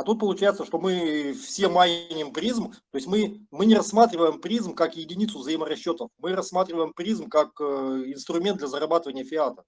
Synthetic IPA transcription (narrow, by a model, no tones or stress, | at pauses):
ɐt̪ut̪̚pəlˠʊt͡ɕæjɪt̪səʂt̪o̞mɨfsʲemajʲnʲɪɪmpɾʲizmt̪oɪsʲmɨmɨnʲɪrɐsːmat̪ɾʲɪvəjɪmpɾʲizmkakjɪdʲɪnʲit̪sʊvzəimərɐɕːot̪əfmɨɾɐsmat̪ɾʲɪvəjɪmpɾʲizmkakɪnst̪ɾʊmʲend̪lʲɐzəɾɐbat̪ɨvənʲɪjəfʲɪat̪ə̥